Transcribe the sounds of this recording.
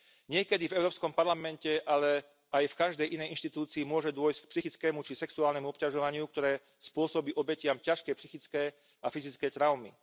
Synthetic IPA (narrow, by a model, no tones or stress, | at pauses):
ɲɪɛkɛd̪ivɛʊɾɔːpskɔmpaɾlamɛncɛʔalɛ | ajfkaʒd̪ɛjʔinɛjʔinʃt̪it̪uːt͡siːmʊɔʒɛd̪ʊɔjsck̚psixit͡skɛːmut͡ʃisɛksuaːlnɛmuɔpcaʒɔʋaɲɪuk̚t̪ɔɾɛː | spʊɔsɔbiːʔɔbɛcɪamcaʃkɛpsixit͡skɛː | afizit͡skɛjt̪ɾaʊmḭ